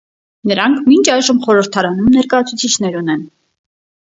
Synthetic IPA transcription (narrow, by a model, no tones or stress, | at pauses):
nəɾɑŋkʰmint͡ʃʰɑjʒəmχɔɾəɾt̪ʰɑɾɑnumnɛɾkɑjɑt͡sʰut͡sʰit͡ʃʰn̪ɛɾunɛn